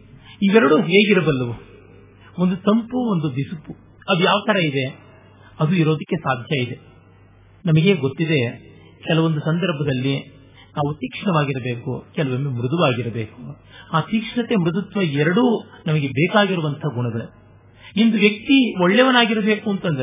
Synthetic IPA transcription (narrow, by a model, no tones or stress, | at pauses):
iːʋɛɾɐɽuɦɦeːɡiɾɐbɐlːɐʋu | o̞nd̪ut̪ɐmpuond̪ub̪isupːu | ɐd̪ujaːʋɐt̪ʰɐɾɐid̪e | ɐd̪uiɾo̞ːd̪ɐkːesaːd̪ʱjɐid̪e̞ | nɐmɐɡe̞ɡot̪ːid̪e̞ | kɛlɐʋond̪usɐnd̪ɐɾbʱɐd̪ɐlːi | naːʋut̪iːkʂɐɳɐʋaːɡiɾɐbe̞ːkukɛlɐʋɐmemɾud̪uʋaːɡiɾɐbeːku | aːt̪iːkʂɐɳɐt̪emɾud̪ɐt̪ʋɐɛɾɐɽuːnɐmɐɡe̞beːkaːɡiɾuʋɐnt̪ʰɐɡuɳɐɡɐɭe | ind̪uʋjɐk̚t̪ioɭːeʋɐnaːɡiɾɐbeːkuɐnt̪ɐnd̪ɐɾe